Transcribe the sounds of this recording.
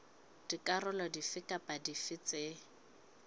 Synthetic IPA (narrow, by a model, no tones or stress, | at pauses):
d̥ikʼarʊlɔdifɪkʼapʼadifɪt͡se